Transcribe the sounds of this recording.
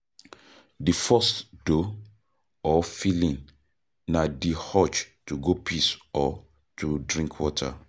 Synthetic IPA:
difɔstdo | ɔfilĩn | nadihɔt͡ʃtuɡopʰisɔ | tʰudɹĩŋkʰwɔtʰa̰

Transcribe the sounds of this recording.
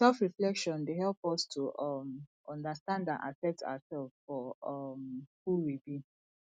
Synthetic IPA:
sɛlfɹiflɛkʃɔ̃ndeɦɛlpɔstʰuʔɔmʔɔ̃ndastãndã̰nʔa̰fɛ̃k̚ta̰asɛlz̥fɔɔmhuwibi

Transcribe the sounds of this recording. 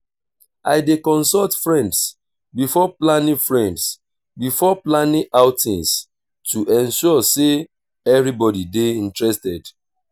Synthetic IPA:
aɪdekɔ̃nsɔltfɹɛ̃nds | bifɔplãnĩfɹɛ̃nds | bifɔplanĩʔaʊtĩns | tuʔɛ̃nʃuɔse | ɛvɹibɔdideĩntɹɛstɛd

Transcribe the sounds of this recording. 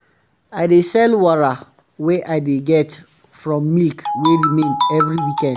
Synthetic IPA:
aɪdesɛlwɔɹa | weʔaɪdeɡɛt | fɹɔ̃mːilkweɹimẽnɛvɹiwikɛ̃nd

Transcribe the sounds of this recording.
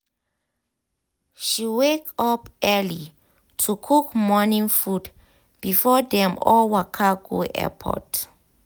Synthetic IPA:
ʃiwekapɛli | tʰukʰukmɔnĩŋfud | b̥ifɔdɛ̃mɔlwakʰaɡoʔɛ̰pʰɔ̰t

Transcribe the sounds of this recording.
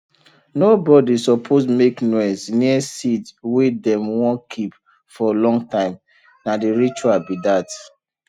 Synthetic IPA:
nobɔdisɔpʰosmeknɔɪsniɛsitwedɛ̃mwɔ̃nkʰip | fɔlɔ̃ŋɡtãɪ̃m | nadiɹit͡ʃualbidat

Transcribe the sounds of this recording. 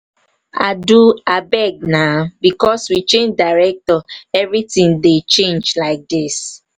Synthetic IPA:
a̰duabɛɡ̚nabikɔswit͡ʃẽnd͡ʒdaɹɛk̚tɔɛvɹitĩŋdet͡ʃẽnd͡ʒlaɪk̚dis

